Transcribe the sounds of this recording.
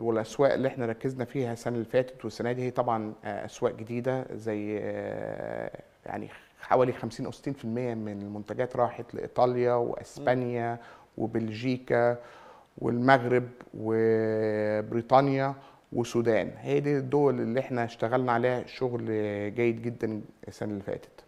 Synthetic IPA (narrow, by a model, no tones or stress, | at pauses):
welʔæswæːʔelːiʔeħnæɾˤɑkːeznæfiːhæsænælfæːt̪ed̪wesːænæːd̪ihejːæt̪ˤɑbʕɑnʔæ̰swæːʔɡed̪iːd̪æzæjː | ja̰ʕnḭ | ħa̰wæːlixæmsiːnʔæwse̥t̪ːiːnfilmejːæmɪnelmont̪æɡæːt̪ɾˤɑːħet̪lḛʔḭt̪ˤɑːljɑwḛʔæ̰sbænjæwḛbelʒiːkæ | wḛlmæɣɾɪbwe | bɾiːt̪ˤɑnjæ | wʔesuːd̪æːnhæːd̪id̪ːoːwælʔelːiʔeħnæʃt̪æɣælnæʕalæːʃoɣlɡæːjed̪ɡed̪ːænsænelfæ̰ːt̪e̥d̪̥